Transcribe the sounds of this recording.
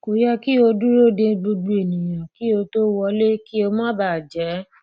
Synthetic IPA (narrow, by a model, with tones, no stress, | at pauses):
ko˨jɛ˧ki˦o˧du˦ɾo˦˨dĩ˧ɡ͡bo˧du˧e˨nĩ˨j̃ã˨ki˦o˧to˦wɔ˧le˦ki˦o˧mã˦ba˦˨d͡ʒɛ˨˦